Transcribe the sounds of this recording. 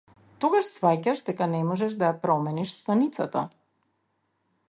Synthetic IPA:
t̪ɔɡaʃsvacaʃd̪ɛkanɛmɔʒɛʒd̪ajapɾɔmɛniʃst̪anit̪sat̪a

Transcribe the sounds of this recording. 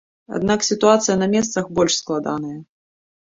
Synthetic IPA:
a̰d̪̚naksʲit̪uat̪sɨjɐnɐmʲɛst̪sɐxbɔlʲʂsklˠad̪anɐjɐ

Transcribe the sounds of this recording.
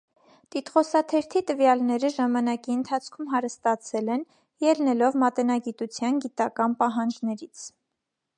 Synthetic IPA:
t̪it̪χɔsɑt̪ʰɛɾt̪ʰit̪əvjɑlnɛɾəʒɑmɑnɑkiənt̪ʰɑt͡sʰkʰumɦɑɾəst̪ɑt͡sʰɛlɛn | jɛlnɛlɔvmɑt̪ɛnɑɡit̪ut͡sʰjɑnɡit̪ɑkɑnpɑɦɑnd͡ʒnɛɾit͡sʰ

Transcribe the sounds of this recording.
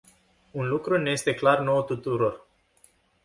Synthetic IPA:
unlukɾuneje̞st̪e̞klarno̞wt̪ut̪uɾo̞r

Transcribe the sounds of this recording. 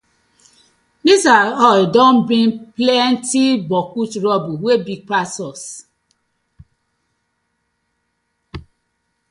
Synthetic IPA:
misaɔidɔ̃mbĩnplɛntibɔkut͡ʃɾɔbuwebipasɔs

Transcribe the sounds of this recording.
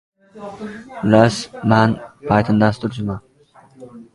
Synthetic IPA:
lasmanpʰɑjt̪ʰɨnd̪ast̪ʰʊɾd͡ʒʰʊma

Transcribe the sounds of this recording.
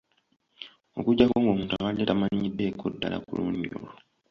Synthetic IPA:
o̞kuɟːakoːŋɡomuːntuakaidetamaɲidːe̞ːkːodːala̰kuluːɲio̰ːlo

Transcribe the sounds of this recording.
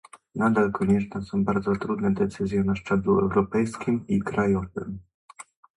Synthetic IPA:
nad̪alkɔɲɛt͡ʂnɛsɔ̃w̃baɾd̪zɔt̪ɾud̪nɛd̪ɛt̪sɘzʲjɛnaʂt͡ʂɛbluɛ̰wɾɔpɛjskʲimikɾajɔvɘ̰m

